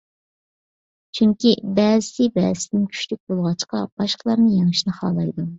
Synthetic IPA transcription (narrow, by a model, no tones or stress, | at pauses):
t͡ʃʰyŋkʲibɛːzɪsɪbɛːzɪsɪd̪ɪnkʲʰy̥ʃlyk̚ʲbolˠʁɑt͡ʃqɑ̰b̥ɑʃqəlˠɑɾnɨjeŋɨʃnɨχɑ̰ːlˠɑjd̪u